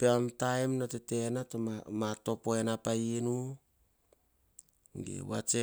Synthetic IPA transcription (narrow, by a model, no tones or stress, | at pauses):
peamtajmnotete̞natomamato̞poenapainu | ŋɡḛwa̰t͡ʃe